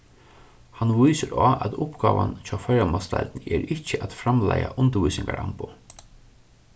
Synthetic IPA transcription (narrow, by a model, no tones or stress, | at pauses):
hanʋijsəɾɔːʔæt̪ʊhpɡɑːʋant͡ʃʰaːfɛɾamast̪ajlt̪nɛɾɪt͡ɕːəʔat̪fɾamlajaʔʊnt̪əʋuːsɪŋkaɾampʊ